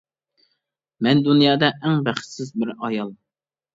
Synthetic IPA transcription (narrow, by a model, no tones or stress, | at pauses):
mɛnd̪unjɑːd̪ɛʔɛŋbæχt̪sɪzbɪɾɑjɑlˠ